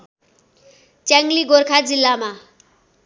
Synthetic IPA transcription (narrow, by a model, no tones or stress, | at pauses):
t͡ʃɛŋliɡoɾkʰad͡zilːama